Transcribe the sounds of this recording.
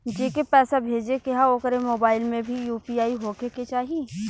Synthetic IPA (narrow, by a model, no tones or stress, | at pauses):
d͡ʒeːkepɛːsabʱeːd͡ʒekɪɦaoːkəɾemoːbaːɪlmẽbʱijuːpiaːiɦoːkeket͡ʃaːɦie